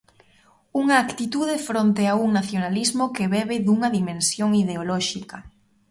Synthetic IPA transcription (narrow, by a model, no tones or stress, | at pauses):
uŋaːkt̪it̪uðefɾont̪eauŋnaθjonalizmokeβɛβɪðuŋɐðimẽnsjoŋiðeolɔʃikɐ